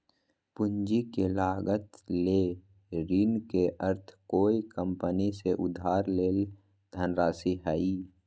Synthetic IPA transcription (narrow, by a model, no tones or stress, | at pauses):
pʊɲd͡ʒikelaːɡət̪le | ɾiːnkeʔəɾt̪ʰkoːikə̃mpəniseʔʊd̪ʱaːɾleːl | d̪ʱənɾaːsiɦaiː